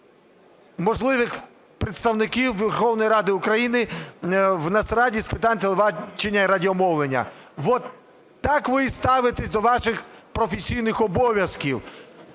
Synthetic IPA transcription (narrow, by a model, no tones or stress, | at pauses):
mɔʒlˠɪʋɪx | pɾɪt̪st̪ɐwnɪkʲiwʋʲerxɔwnɔjiɾɑd̪ɪukɾɐjinɪ | wnɐsɾɑdʲispɪt̪ɑnʲt̪elˠeʋɑt͡ʃenʲːɐiɾɐdʲiɔmɔwlˠenʲːɐ̰ʋɔt̪ː | ɑkʋɪst̪ɑʋɪt̪esʲd̪ɔʋɑʃɪxpɾɔfʲesʲijnɪxɔbɔʋʲjɐskʲiw